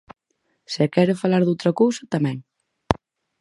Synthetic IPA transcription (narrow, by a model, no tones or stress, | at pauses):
sekɛɾʊfalaɾðowt̪ɾakowsat̪amɛ̃ŋ